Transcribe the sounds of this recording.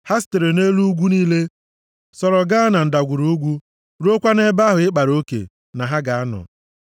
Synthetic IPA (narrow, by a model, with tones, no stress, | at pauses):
ha˦s̬te˨ɾe˨ne˦lu˦ɡʷu˦niː˦le˦ | sɔ˨ɾɔ˨ɡa˦a˦na˨n̩˨da˨ɡʷu˨ɾu˦u˦ɡʷu˦ | ɾu˦o˦kʷa˦ne˦ba˦ɦʊ˨ɪ˦k͡pa˨ɾo˦kḛ˨ | na˨ɦa˦ɡa˨a˦nɔ̰˨